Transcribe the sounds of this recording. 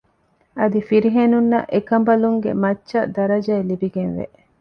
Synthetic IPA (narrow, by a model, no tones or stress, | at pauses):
ɐd̪ifiɾiɦenunːɐ̰ʔekɐmbɐluŋɡḛmɐtːʃɐd̪ɐɾɐd͡ʒɐːlibiɡenʋḛʔ